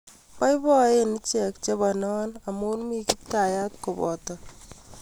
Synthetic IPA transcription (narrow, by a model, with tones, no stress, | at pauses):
pa˦jbɔ˦e˦ni˦t͡ʃɛ˨k̚t͡ʃe˦bɔ˨nɔ˦na˨mo˦nmi˦ki˦p̚ta˨ja˦t̚ko˨bɔ̰˨tɔ˨